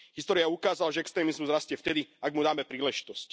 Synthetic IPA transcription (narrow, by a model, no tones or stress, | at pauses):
ɦist̪ɔːɾiaukaːzalaʒɛɛkst̪ɾɛːmizmuzɾascɪɛft̪ɛd̪iaɡmud̪aːmɛpɾiːlɛʒi̥t̪ɔsc